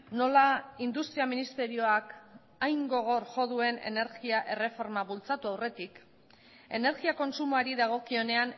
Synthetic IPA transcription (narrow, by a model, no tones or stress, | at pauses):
no̞laind̪ust̪ɾiaminist̪e̞ɾio̞ak | ajŋɡo̞ɣ̞o̞ɾʝo̞ðue̞ne̞̰ne̞ɾɣiaʔe̞re̞fo̞ɾmaβult͡sat̪uawre̞t̪ik | ene̞ɾɣiako̞nsumoaɾiðaɣ̞o̞kio̞ne̞an